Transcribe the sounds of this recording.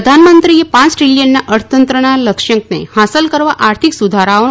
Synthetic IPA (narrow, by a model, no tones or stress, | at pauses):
d̪ʱanmənt̪ɾijepãt͡sʈɾiljənːjaʔəɾt̪ənt̪ɾəɽ̃aləkʂjə̃ŋknḛhasəlkəɾʋaʔaɾt̪ʰiksud̪ʱaɾaʋə